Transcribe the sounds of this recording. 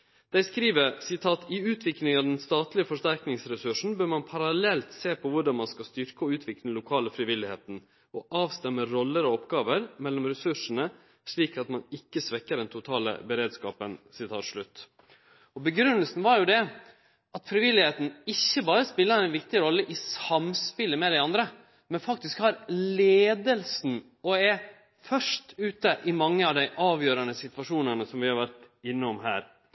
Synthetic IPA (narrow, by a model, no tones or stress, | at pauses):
d̪̥æɪskɾiːʋəɾsɪt̪ʰɑːt̪ɪʉːt̪ʰʋɪklɪŋɑʋd̪ɛnst̪ɑːt̪lɪəfɔʂt̪æɾknɪŋsɾɛsʉʂn̩bøːɾmɑnpʰɑɾɑlɛlt̪seːpʰɔʋʊɖɑnmɑnskɑst̪ʏɾkəɔʉːt̪ʰʋɪkləlʊkʰɑːləfɾɪʋɪlːɪhḛːt̪n̩ | ɔʔɑːʋst̪ɛmːəɾɔlːəɾɔɔpɡɑːʋəɾmɛlːɔmɾɛsʉʂənə | ʂɭiːkɑt̪mɑnɪkːəsʋɛkːəɖɛnt̪ʰʊt̪ʰɑːlə̰bəɾeːd̪skɑːpənsɪt̪ʰɑːt̪ʂɭʉt̪ː | ɔbəɡɾʉnːəlsn̩ʋɑɾjʊd̪ɛ | ɑt̪fɾɪʋɪlːɪheːt̪n̩ɪçːəbɑːɾəspɪlːəɾæɪnʋɪkt̪ɪɾɔlːəʔɪsɑmspɪlːəmɛd̪æɪɑnd̪ɾə | mɛnfɑkt̪ɪskhɑɾleːd̪əlsn̩ | ɔɛ | fœʂʈʉːt̪əʔɪmɑŋːəɑʋd̪æɪʔɑːʋjøːɾɑnəsɪt̪ʋɑʂuːnənəsɔmʋɪhɑɾʋæɾt̪ | ɪnːəɔmɦæ̰ːɾ